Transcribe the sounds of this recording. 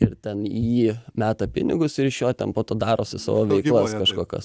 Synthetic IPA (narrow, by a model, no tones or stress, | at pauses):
ɪrt̪ʲɛniiːmʲæːt̪ɐpʲɪ̰nʲɪɡʊsɪɾɪʃjoːt̪ʲɛnpoːt̪oːd̪ɑːɾoːsʲɪsɑ̰ːʋoːʋʲɛɪkklˠɐsskɐʃkoːkɐ̰s